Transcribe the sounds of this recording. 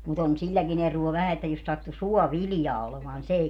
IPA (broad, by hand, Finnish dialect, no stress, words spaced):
mut on silʲlækin eruo ʋæhæ etːæ jos sɑtːu suɔʋiljɑː olemɑːn ni s ei